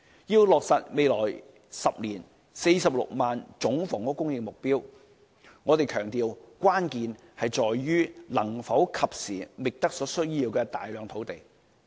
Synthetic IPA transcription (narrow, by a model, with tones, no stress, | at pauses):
jiː˧wlɔː˨k̚sɐ˨t̚me˨jlɔː˨˩j | sɐ˨p̚liː˨˩n | se˧jsɐ˨p̚lʊ̰˨k̚maː˨nt͡sʊ˨˥ŋfɔː˨˩ŋkɔː˥kʊ˥ŋjɪ˨ŋ̚mʊ˨k̚piː˥w | ŋɔː˨˧t̪e˨jkʰœː˨˩ŋt̪iː˨wkʷwaː˥nkiː˨˧n | hɐ˨jt͡sɔː˨jɥyː˥lɐ˨˩ŋfɐ˨˥wkʰɐ˨p̚siː˨˩mɪ˨k̚t̪ɐ˥k̚sɔː˨˥sɵ˥ɥjiː˧wkɛ˧t̪a̰ː˨jlœː˨˧ŋt̪ʰo˨˥wt̪e˨j